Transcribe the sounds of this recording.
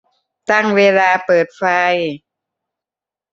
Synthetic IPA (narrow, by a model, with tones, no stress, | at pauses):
t̪a˥˩ŋweː˧laː˧pɤː˨˩t̪̚fa˧j